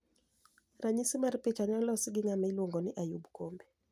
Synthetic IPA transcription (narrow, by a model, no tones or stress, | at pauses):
raɲisimarpet͡ʃaɲɔlɔsɪɡɪŋamilwoŋɡɔnɪʔajubkombe